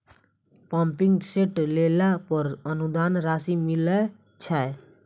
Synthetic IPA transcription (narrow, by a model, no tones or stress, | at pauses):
pãːmpĩŋɡseʈlelapəɾənud̪aːnɾaːsimilə | t͡ʃʰaj